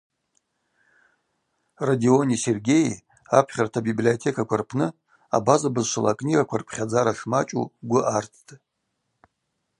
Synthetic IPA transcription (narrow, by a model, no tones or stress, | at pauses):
radio̞nise̞rɡʲe̞j | apʰχʲartʰabiblio̞tʰe̞kʰakʷʰarpʰnɨ | a̰bazabɨzʂala̰kʼnʲiɡakʷʰarpʰχʲad͡zaɾaʂmat͡ʃʼṵɡʷʊʔartʰtʼ